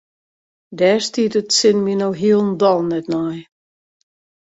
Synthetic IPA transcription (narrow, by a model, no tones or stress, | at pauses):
dɛːstiətətsɪnminowɦiəlˠn̩dɔlˠnɛtnaj